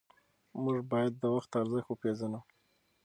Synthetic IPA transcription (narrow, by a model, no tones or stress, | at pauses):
muʐbɑjad̪ːəwaxt̪aɾzəxtwəpezanu